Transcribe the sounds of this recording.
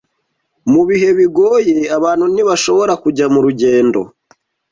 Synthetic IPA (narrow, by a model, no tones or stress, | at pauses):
muβiɦe̞βiɡo̞ːje̞aβaːn̥uniβaʃo̞βo̞ɾakuɟamuɾuɟe̞ːndo̞̰